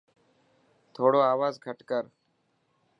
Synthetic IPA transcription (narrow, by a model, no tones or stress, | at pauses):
t̪ʰoːɽoːaːʋaːzɡʱəʈkəɾ